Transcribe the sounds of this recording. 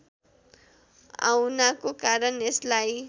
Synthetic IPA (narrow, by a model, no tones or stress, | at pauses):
a̰wnakokaɾʌneslaj